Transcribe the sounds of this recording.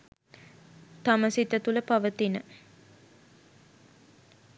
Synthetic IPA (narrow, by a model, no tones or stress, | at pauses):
t̪aməsit̪ət̪uləpaʋət̪inə